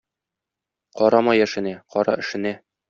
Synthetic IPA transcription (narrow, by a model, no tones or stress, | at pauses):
qɒɾɑmɑjæʃɘ̆næqɒɾɑ̰ɘ̆ʃɘ̆næ